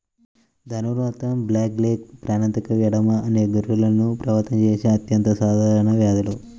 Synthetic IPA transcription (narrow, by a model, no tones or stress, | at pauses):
d̪ʱɐnuɾʋaːt̪ɐmblaːk̚leːk̚pɾaːnɐnt̪ɐkɐʋjɐɽɐmɐɐneːɡuɾʋulɐnːupɾɐʋɐɾt̪ɐnɐt͡ʃeːʃeɐt̪jɐnt̪ɐsaːd̪ʱaːɾɐɳɐʋjaːd̪ɐlu